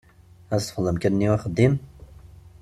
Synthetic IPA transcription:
æst̪fəlːəmkəɾniwæχəd̪im

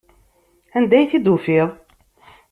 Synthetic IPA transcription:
ænd̪æjθid̪ufiðˤ

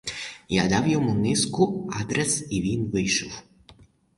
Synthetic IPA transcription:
ja̰d̪awjɔmunɪskʊad̪ɾɛsiʋʲinvɪjʃɔw

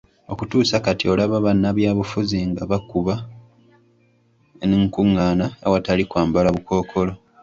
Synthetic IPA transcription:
o̞kutuːsakatio̞laβaβanːaβjaːβufuziŋɡaβakuβa | niŋkuŋːaːnaawatalikwaːmbalaβuko̞ːkʰo̞lo̞

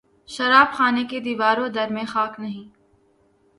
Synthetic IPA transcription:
ʃɐɾaːbxaːneked̪iːʋaːɾõd̪ɐɾmẽxaːknɐɦĩː

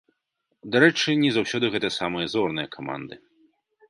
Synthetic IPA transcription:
d̪aɾɛt͡ʂɨnʲɛzawsʲɔd̪ɨɣɛt̪ɐsamɨjɐzɔrnɨjɐkʰama̰nd̪ɨ

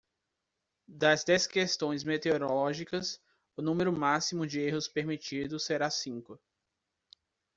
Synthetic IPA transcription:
d̪ɐzd̪ɛskest̪õj̃zmet̪eoɾolɔʒikɐs | ʊnũmeɾʊmasimʊd͡ʒɪeɦʊspeɾmit͡ʃid̪ʊseɾasĩkʊ

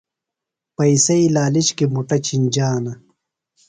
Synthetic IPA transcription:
pɐisɐilaːlit͡ɕkimuʈɐt͡ɕʰinʲd͡ʑaːnɐ

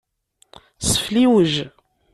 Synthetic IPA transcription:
sə̥fliwəʒ

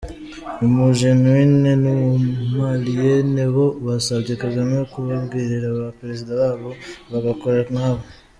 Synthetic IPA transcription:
omuʒenwinenomumalijeneβo̞βasaβɟekaɡanajokuβaβɡiːɾiɾaβapeɾezidaβaːβo̞βaɡako̞ɾanaːβo

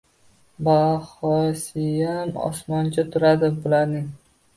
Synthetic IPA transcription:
bahɒsɪjamɒ̰smɒnt͡ʃʰat̪ʰʊɾad̪ɪbʊlaɾnɪŋ

